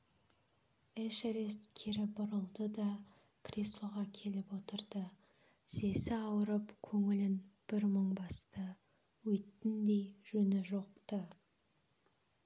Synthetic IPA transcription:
eʃɾest̪kʲʰeɾɪbʊɾəlˠd̪əd̪ɑ | krʲeslˠoʁɑkʲʰe̞lɪpwo̞t̪əɾd̪ə | se̞sɪɑwəɾəpkʲʰɵŋɪlɪnb̥ɪɾməɴbɑst̪ə | wɵjt̪ːɪnd̪e̞jʒ̥ɵnɪʒo̞qt̪ə

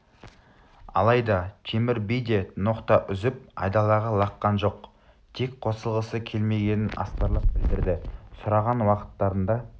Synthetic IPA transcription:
ɑ̰lˠɑjd̪ɑt̪ʲʰemɪɾbijd̪e̞noqt̪ɑʔʏzɪp̚ɑ̰jd̪ɑlˠɑʁɑlˠɑqːɑnʒo̞q | t̪ʰe̞kqʰo̞səlˠʁəsəkʲʰe̞lme̞ɡʲe̞nɪnɑ̰st̪ɑɾlˠɑp̚bɪld̪ɪɾd̪ɪsʊɾɑʁɑnwɑqə̥t̪ːɑɾənd̪ɑ

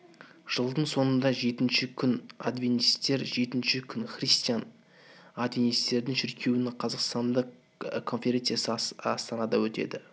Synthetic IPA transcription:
ʒ̥əlˠd̪əɴso̞nənd̪ɑʒe̞t̪ɪnʃɪkʲʰʏna̰d̪vinist̪ːe̞ɾʒe̞t̪ɪnʃɪkʲʰʏnχrist̪ijan | ad̪vinist̪e̞ɾd̪ɪŋʃɪɾkʲʰe̞wɪnɪqʰɑzɑqst̪ɑnd̪əq | kʰo̞nfʲe̞ɾe̞nt̪sɨjasəɑst̪ɑnɑd̪ɑwɵt̪e̞̰d̪ɪ

